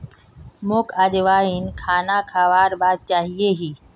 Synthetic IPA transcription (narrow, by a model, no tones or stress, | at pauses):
mokʰaʄʋaːinkʰaːnakʰaʋaːɾbaːd̪̚t͡ʃaːɦieɦiː